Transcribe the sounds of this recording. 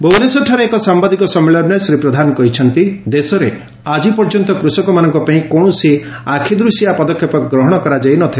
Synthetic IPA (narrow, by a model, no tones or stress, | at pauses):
bownesɔʈʰaɾeekɔsambad̪ikɔsɔmːeɭɔɾnesɾipɾɔd̪ʱanɔkɔɦit͡ʃʰɔnt̪id̪esɔɾe | ad͡ʒipɔɾd͡ʒɔnt̪ɔkɾusɔkɔmanɔŋkɔpaĩkɔɳ̃ɔsi | akʰid̪ɾusijapɔd̪ɔkʰjɔpɔɡɾɔɦɔɽ̃ɔkɔɾad͡ʒajnɔt̪ʰila